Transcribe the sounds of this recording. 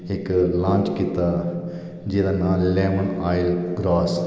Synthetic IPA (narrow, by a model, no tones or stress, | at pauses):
eklãːnt͡ʃkɪt̪a | d͡ʒid̪anaːlɛːmənaːjɪlɡɾaːs